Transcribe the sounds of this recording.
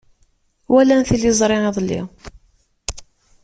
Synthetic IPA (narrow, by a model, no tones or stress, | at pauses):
wælænθlːizˤɾˤɪʕeðˤlḭ